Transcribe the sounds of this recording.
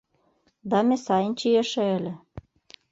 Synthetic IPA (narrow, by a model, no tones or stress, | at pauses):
d̪ɑmʲesɑjənt͡ɕiĕʃĕĕlʲĕ